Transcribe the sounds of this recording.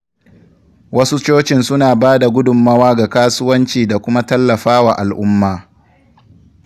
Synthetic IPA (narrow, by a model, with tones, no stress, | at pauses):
wɐ˦su˦t͡ʃoː˦t͡ʃɪ˨nsʊ˦naː˨baː˦da˨ɡʷʊ˦dʊ˨mːɐ˦waː˦ɡa˨kaː˦sʊ˦wɐ˦nt͡ʃiː˨da˨kʷʊ˦ma˦tɐ˦lːɐ˨ɸaː˦waː˨ʔa˨lʔʊ˦mːaː˨